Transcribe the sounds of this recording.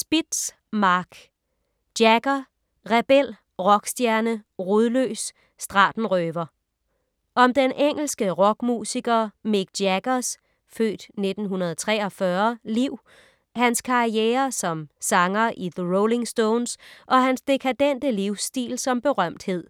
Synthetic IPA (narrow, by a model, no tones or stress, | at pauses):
sb̥id̥s | mɑ̈ɡ̥ | d̥jæɡ̥ɐ | ʁɛb̥el̰ | ʁɒ̽ɡ̥sd̥jæɐnəʁuðˠlø̰ːs | sd̥ʁɑ̈ːd̥n̩ʁøːʋɐ | ʔɒ̽md̥enʔeŋ̰l̩sɡ̥əʁɒ̽ɡ̥mṵːsiɡ̥ɐmeɡ̥̚d̥jæɡ̥ɐs | fø̰ːd̥ne̝d̥n̩ɦunɐð̞ˠt͡sʰʁɛ̰ːɒ̽fɶɐliʊ̰ | hænskʰɑ̈ieːɐsɒ̽msɑ̈ŋɐʔiðəʁole̝ŋsd̥oːnsʔɒ̽ɦænsd̥e̝kʰæd̥en̰d̥əliʊsd̥ḭːlsɒ̽mb̥e̝ʁɶm̰d̥he̝ð̰ˠ